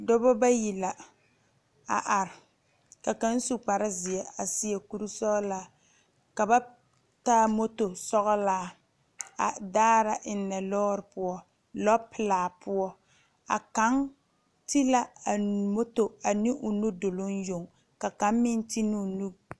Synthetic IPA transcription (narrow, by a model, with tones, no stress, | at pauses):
dɔ˦bɔ˦ba˦ji˨la˨ | a̰˨ʔa˨ɾɪ˨ | ka˨ka˨˦n̩˦su˦k͡pa˨ɾa˦zi˨ɛ˨a˨si˦ɛ˨ku˦ɾu˦sɔ˦ʔɔ˦laː˦ | ka˨ba˦ | ta˦mo˦to˨sɔ˦ɣɔ˦laː˦ | a˨daː˦ɾa˨ʔɪ˨nː˦ɛ˨lɔː˦ɾɪ˨pʊ˦ɔ˦ | lɔ˦bpɪ˨laː˨pʊ˦ɔ˦ | a̰˨ka˨˦ŋ | ti˦la˦a˨mo˦to˨a˨nɪ˦ʔʊ˨nu˦do˨lo˦n˦jo˨ŋ | ka˨ka˨˦mmɪ˦n˦ti˦nɪ˦˨nu˦